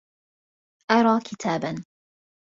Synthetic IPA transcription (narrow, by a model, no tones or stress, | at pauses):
ʔɑɾˤɑːkɪt̪ʰaːban